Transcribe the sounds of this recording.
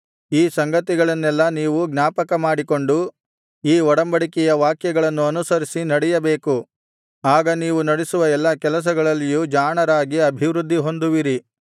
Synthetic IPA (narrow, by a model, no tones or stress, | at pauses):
iːsɐŋɡɐt̪iɡɐɭɐnːɛlːɐniːʋuɡnaːpɐkɐmaːɽiko̞ɳɖu | iːɔɽɐmbɐɽikɛjɐʋaːkjɐɡɐɭɐnːuɐnusɐɾisinɐɽɛjɐbe̞ːku | aːɡɐniːʋunɐɽisuʋɐɛlːɐkɛlɐs̬ɐɡɐɭɐlːijud͡ʒaːɳɐɾaːɡiɐbʱiʋɾud̪ʱːiɦo̞nd̪uʋiɾi